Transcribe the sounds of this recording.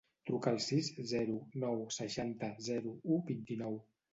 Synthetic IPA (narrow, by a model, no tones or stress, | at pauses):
t̪ɾukaːlˠsizzɛɾunɔwsəʃant̪əzɛɾuubint̪inɔw